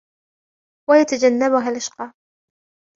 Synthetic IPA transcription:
wajat̪ad͡ʒanːabʊɦalʔaʃqɑː

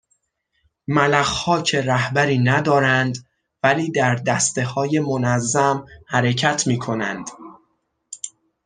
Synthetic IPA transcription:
mælæxhɒːcʰe̞ɾæhbæɾiːnæd̪ɒːɾænd̪ | væliːd̪æɾd̪æst̪e̞hɒːje̞monæzːæmhæɾecʰæt̪ʰmiːkʰo̞næ̰nd̪̥

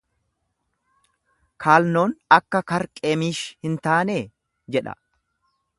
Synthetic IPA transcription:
kʰaːlno̞ːnɐkːɐkɐɾkʼe̞ːmiːʃhɪnt̪aːneː | d͡ʒɛᶑɐ̰

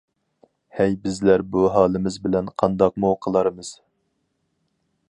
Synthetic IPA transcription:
hɛjbɪzlæɾbuɦɑːlˠɪmɪzbɪlɛnqʰɑnd̪ɑq̚muqʰəlˠɑɾɨmɨz̥

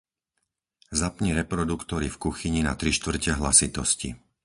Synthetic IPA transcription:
zapɲiɾɛpɾɔd̪ukt̪ɔɾifkuxiɲina̰t̪ɾiʃt̪ʋr̩cɛɦlasit̪ɔ̰scḭ

